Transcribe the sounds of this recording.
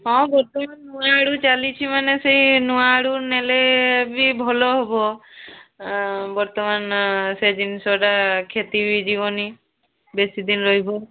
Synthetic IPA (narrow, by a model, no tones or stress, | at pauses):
ɦɔ̃bɔɾt̪ɔmanːuwaɽut͡ʃalit͡ʃʰimaneseɦinuwaɽunelebibʱɔloɦobɔ | bɔɾt̪ɔmansed̪insɔɖakʰet̪ibid͡ʒiβɔni | besid̪inɾoɦjbɔ